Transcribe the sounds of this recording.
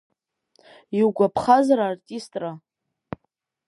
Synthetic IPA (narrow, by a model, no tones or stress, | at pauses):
iwɡʷapʰχazaɾaːrtʼistʼra